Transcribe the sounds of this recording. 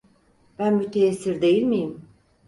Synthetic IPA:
b̥ænbut̪ʰeːsːiɾd̪e̞jilʲmijim

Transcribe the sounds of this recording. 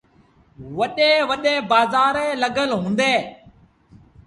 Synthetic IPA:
ʋəɗẽːʋəɗẽːbaːzaːɾẽːləɡəlɦũːnd̪eː

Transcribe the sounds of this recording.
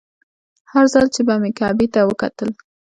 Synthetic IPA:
haɾzɑlt͡ʃebamekɑbit̪awəkat̪əl

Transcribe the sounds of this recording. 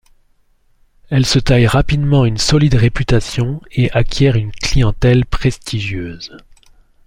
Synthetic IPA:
ɛlsət̪ajʁapid̪mɑ̃ynsɔlid̪ʁepyt̪asjɔ̃eʔakʲjɛʁynklijɑ̃t̪ɛlpχɛst̪ʰiʒjøːz

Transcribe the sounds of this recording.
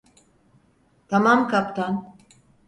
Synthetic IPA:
t̪ʰamamkʰapt̪ʰan

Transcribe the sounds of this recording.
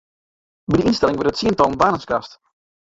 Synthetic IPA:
bidəinstɛlɪŋʋɪtətsiəntɔlˠnbaːnənskast

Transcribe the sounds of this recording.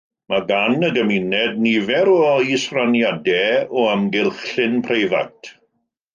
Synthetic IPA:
maɡanəɡəminɛdnivɛɾɔisranjadɛɔamɡɪlˠχɪnpʰrejva̰tʰ

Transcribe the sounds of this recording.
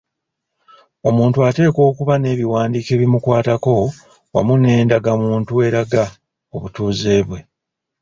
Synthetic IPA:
o̞muːntuate̞ːko̞ːkuβane̞ːβiwaːndiːke̞ːβimukwaːtako̞ | wa̰mune̞ːndaɡamuːntue̞ɾaɡa | oβutuːze̞ːβwe̞

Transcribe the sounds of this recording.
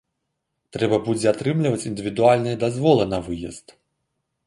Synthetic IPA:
t̪ɾɛbɐbud͡zʲɛat̪ɾɨmlʲivɐt͡sʲind̪ɨvʲid̪ualʲnɨjɛd̪azvɔlˠɐnɐvɨjɐ̰st̪

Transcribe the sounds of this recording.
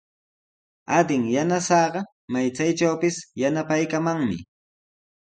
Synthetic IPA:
ad̪ɪŋjanasɑːɢɑ | majt͡sajt͡ʃawpɪsjanapajkamaŋmɪ̰

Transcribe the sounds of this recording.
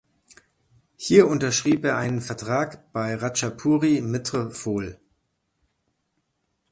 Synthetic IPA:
hiːɐʔʊntɐʃʁ̥iːpeːɐʔaɪnənfɛɐtʁ̥aːkb̥aɪʁat͡ʃapʰuːʁimɪtʁ̥əfoːl

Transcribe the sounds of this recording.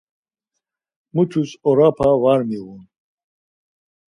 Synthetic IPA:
mut͡ʃʰusɔɾapʰavaɾmiɣun

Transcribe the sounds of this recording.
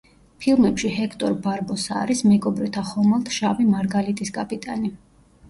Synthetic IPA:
pʰilˠmɛpʃihɛkʰt̪ʼɔɾbaɾbɔsa̰ɾismɛɡɔbɾɛt̪ʰaχɔmalˠt̪ʰʃavimaɾɡalit̪ʼisɡʼapʼit̪ʼani

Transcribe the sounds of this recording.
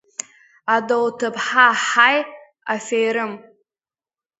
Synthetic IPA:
adowtʰɨpħaħaj | afejɾɨm

